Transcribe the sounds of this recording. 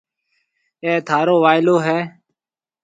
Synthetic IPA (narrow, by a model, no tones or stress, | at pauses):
ẽːt̪ʰaːɾoːʋaːɪloːɦɛː